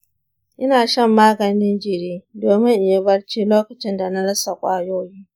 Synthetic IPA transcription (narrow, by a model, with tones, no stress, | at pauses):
ʔɪ˦naː˨ʃɐ˦˨mːaː˦ɡɐ˨nɪ˦nd͡ʒɪ˨ɾiː˦doː˨mɪ˦ŋʔɪ˨ja˦bɐ˦ɽt͡ʃiː˦loː˦kɐ˨t͡ʃɪ˦nda˨na˦ɽɐ˦sa˨kʷʼaː˦joː˦jiː˦